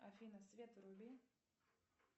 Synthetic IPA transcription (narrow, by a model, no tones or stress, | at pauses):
ɐfʲinəsvʲet̪ɾubʲi